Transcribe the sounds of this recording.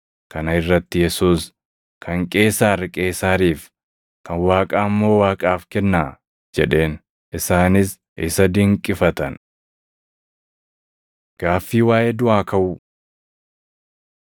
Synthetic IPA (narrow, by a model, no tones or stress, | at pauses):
kɐnɐɪrːɐt̪ːɪjɛsuːs | kʰɐŋkʼe̞ːsaːɾɪkʼe̞ːsaːɾiːf | kʰɐnwaːkʼaːmːo̞ːwaːkʼaːfkɛnːaː | d͡ʒɛᶑe̞ːn | ʔɪsaːnɪs | ɪsɐd̪ɪŋkʼːɪfɐt̪ɐn | ɡ̥aːfːiːwaːjʔeːd̪ʊaːkɐʔʊ